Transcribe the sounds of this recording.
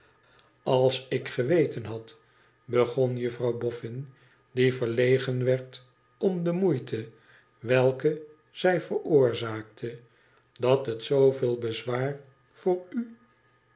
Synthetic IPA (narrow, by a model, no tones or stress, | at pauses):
ɑlˠsɪkχəʋejtənɦɑt | bəχɔnjəfrɑwbɔfɪn | divəɹlejχənʋɛɹt | ɔmdəmujtʰə | ʋɛlˠkə | z̥ɛjvəɹʊːɹzaːk̚tʰə | dɑtɦətsowveːlˠbəzʋaːr | v̥ʊːɹy